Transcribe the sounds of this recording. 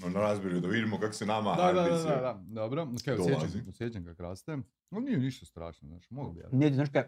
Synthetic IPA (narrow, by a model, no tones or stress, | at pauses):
nnaɾazbʲeɾjud̪aʋid̪imokako̥sɛnamad̪ad̪ad̪ad̪ad̪ad̪oːbɾookejod̪et͡ʃaziosʲjet͡ɕamkakɾaːst̪ɛ | oniːɛniʃt̪ast̪ɾa̰ːʃnozna̰ːʃmoɡbja̰nɛt̪iznaʃka